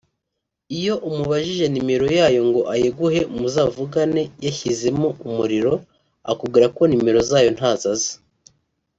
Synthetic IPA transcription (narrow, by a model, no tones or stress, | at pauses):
ijo̞ʔumuβaʒiʒe̞nime̞ɾo̞jaːjo̞ŋɡo̞ʔajeɡuhe̞muzaːvuɡane̞jaçize̞moumuɾiɾo̞ | a̰kub̚ɡiːɾako̞nime̞ɾo̞zaːjo̞n̥haːzazḁ